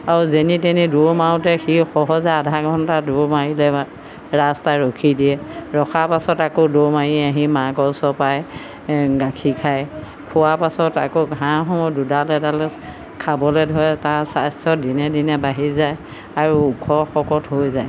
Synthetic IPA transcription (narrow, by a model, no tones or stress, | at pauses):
aɹuzeniteniduɹmawtɛxixɔɦɔzɛadʱaɡʱɔntaduɹmaɹilɛ | ɹastaɹokʰidiɛɹɔkʰapasɔtakodoɹmaɹiaɦimaɡɔsɔpaj | ɡakʰikʰaj | kʰʊaɹpasɔta̰koɡʱɦãxɔmɔdudalɛtalɛ | kʰabɔlɛdʱɔjɛtaɹsastɔdinɛdinɛbaɦizaj | aɹuːkʰɔxɔkɔtɦojzaj